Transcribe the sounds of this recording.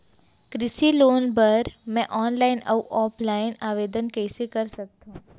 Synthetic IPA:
kɾɪsiloːnbɐɾmɛ̃ʔɔːnlaːɪnɐuʔɔːpʰlaːɪnaːʋeːd̪ənkɛːsekɐɾsɐk̚t̪aɦũ

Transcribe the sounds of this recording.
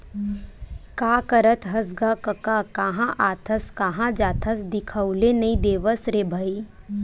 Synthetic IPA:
kaːkəɾət̪ʰɦɐs̬ɡakɐkakaɦãʔaːt̪ʰəskaɦãd͡ʒaːt̪ʰəsd̪ɪkʰəwlenɐĩd̪eːʋəsɾeːbʱəi

